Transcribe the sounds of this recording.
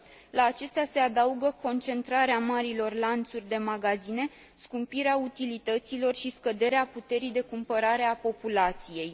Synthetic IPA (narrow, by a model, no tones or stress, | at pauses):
laːt͡ʃe̞st̪ease̞ad̪auɡəko̞nt͡ʃe̞nt̪ɾaɾeamaɾilo̞rlant̪surʲd̪e̞maɡazine̞ | skumpiɾeaut̪ilit̪ət̪silo̞rʃiskəd̪e̞ɾeaput̪e̞ɾijd̪e̞kumpəɾaɾe̞apo̞pulat̪sije̞j